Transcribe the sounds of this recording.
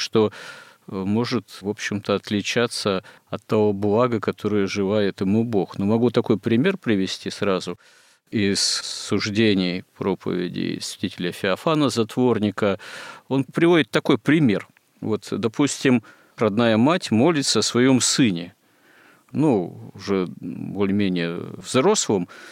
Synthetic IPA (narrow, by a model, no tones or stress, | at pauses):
ʂt̪o̞ | mo̞ʐɨt̪vo̞pɕːɪmt̪əɐt̪lʲɪt͡ɕat̪sə | ɐt̪ːɐvo̞blˠaɡəkɐt̪ʰo̞ɾɨjəʐɨlajɪt̪ɪmubo̞xnomɐɡut̪ɐko̞jpɾʲɪmʲe̞rpɾʲɪvʲɪsʲtʲisɾazʊ | ɪssʊʐdʲenʲɪjpɾo̞pʰə̰vʲɪ̰dʲɪ̰svʲɪtʲitʲɪlʲəfʲɪɐfanəzɐt̪vornʲɪkəo̞npɾʲɪvo̞dʲɪt̪ːɐko̞jpɾʲɪmʲe̞r | vo̞t̪d̪ɐpʰusʲtʲɪm | ɾɐd̪najəmatʲmo̞lʲɪt̪səɐsvɐjo̞msɨnʲɪ | nuʊʐɛbolʲɪmʲenʲɪjəvzɾo̞slˠəm